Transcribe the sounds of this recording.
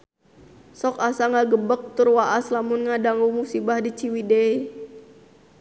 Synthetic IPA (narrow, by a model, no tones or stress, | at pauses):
sɔkasaŋaɡəbək̚t̪ʊrwaʔaslamʊnŋadaŋumusibahdit͡ʃiwidei